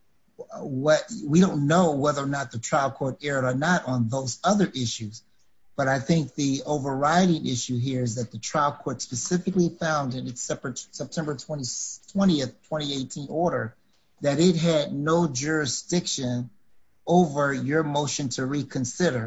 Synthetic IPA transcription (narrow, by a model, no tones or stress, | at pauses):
wʌt̚wiɾõʊ̃nːoʊwɛðə˞nət̪̚ðɨtʰɹ̥aɪlˠkʰɔɹɾɛɹəə˞nəɾn̩ðoʊzʌðə˞ʔɪʃʉz | b̥ʌɾaɪθɪ̃ŋk̚ðioʊvə˞ɹaɪɾɪ̃ŋʔɪʃʉɦiɹɨzðɨt̪̚ðɨtʰɹ̥aɪl̚ˠkʰɔɹtspɨsɪfɨklifãʊ̃ndɨ̃nɨtsɛpɹɨtsɛp̚tʰɛ̃mbə˞tʰw̥ɛ̃ɾ̃itʰw̥ɛ̃ɾ̃iɨθtʰw̥ɛ̃ɾ̃ieɪtʰĩnɔɹɾə˞ | ðɨɾɪt̚ɦɨdⁿnoʊd͡ʒʊɹɨsd̥ɪkʃɨ̃n | oʊvə˞jə˞moʊʃɨ̃ntʰɨɹikʰɨ̃nsɪɾə˞